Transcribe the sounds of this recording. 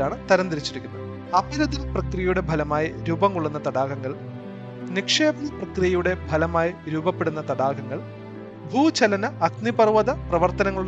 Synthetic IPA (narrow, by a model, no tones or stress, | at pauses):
aːɳɨt̪ɐɾɐnd̪ɐɾit͡ɕːiɾikʲːunːɐðɨ | ɐpɐɾɐðilprɐkrijɐjuɽe̞bʱɐlɐmaːjiɾubɐŋkuɭːunːɐt̪ɐɽaːɣɐŋːɐɭ | nikʂeːbɐnɐprɐkrijɐjuɽe̞bʱɐlɐmaːjiɾuːbɐpːeɽunːɐt̪ɐɽaːɣɐŋːɐɭ | bʱuːt͡ɕɐlɐnɐɐknipɐrʋɐðɐprɐʋɐrt̪ɐnɐŋːɐɭuɭː